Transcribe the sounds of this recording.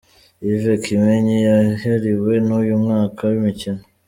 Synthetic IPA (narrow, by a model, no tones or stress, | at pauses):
ivekʰimeɲijaheɾiwe̞nujumŋaːkʰawimicino